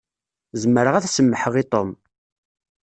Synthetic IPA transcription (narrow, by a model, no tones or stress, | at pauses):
zəmːəɾəʁæθsəmːəħəʁit̪ˤom